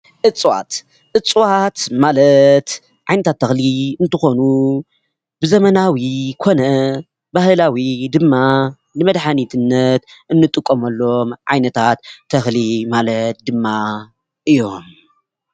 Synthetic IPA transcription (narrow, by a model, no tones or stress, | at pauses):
ʔɨt͡sʼwa̰t̪ | ʔɨt͡sʼwat̪malɐt̪ | ʕajnɐt̪ʰat̪ʰːɐxliɨnt̪ʰɨxo̞nu | bɨzɐmɐnawikʰo̞nɐ | bahlawid̪ɨmːa | nɨmɐd̪ħanit̪ʰɨnːɐt̪ʔɨnːɨt̪ʼɨkʼːomɐlːo̞mʕa̰jnɐt̪ʰat̪ʰːɐxlimalɐt̪̚d̪ɨmːa | ʔɨjo̞m